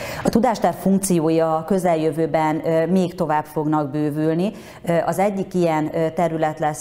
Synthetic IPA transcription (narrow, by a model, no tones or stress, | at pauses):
ɒt̪ud̪aːʃt̪ɛrffuŋk̚t̪sijoːjɒkø̞zɛljøvøːbɛnmeːkt̪o̞vaːbfo̞ɡnɒɡ̚bøːvylni | ʔɒzɛɟːikijɛnt̪ɛɾylɛt̪lɛs